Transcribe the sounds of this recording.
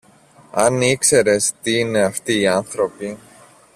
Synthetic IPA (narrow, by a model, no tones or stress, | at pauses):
a̰niksɛɾɛst̪iːnɪaft̪iːanθɾopi